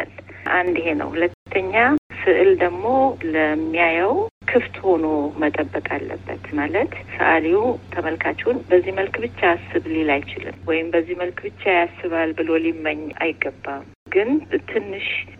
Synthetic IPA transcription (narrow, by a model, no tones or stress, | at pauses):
alʔand̪he̞nə̰whulət̪ʰːəɲːasɨʔɨld̪əɡmo̞ləmːijajɛwkʰɨft̪ho̞no̞mət̪ʼəbːəkʼalːə̰bːə̰t̪malət̪sə̰ʔaliwut̪ʰəməlkʰat͡ʃːɛwʊnbəzːiməlkbɨt͡ʃːaːsːɨβlelajt͡ʃɪlɨ̰mwɔjɪmbəzːiməlkbɨt͡ʃːajasːɨβalbɨlo̞liməɲːa̰jɪɡːəbːam | ɡɨnt̪ʰɨnːɨʃ